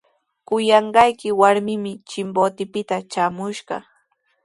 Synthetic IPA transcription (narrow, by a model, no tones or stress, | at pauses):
kʊjɑɴɢɑjkɪwaɾmɪmɪt͡ʃɪmbot̪ɪpɪt̪at͡ʃaːmʊʃɢɑ̰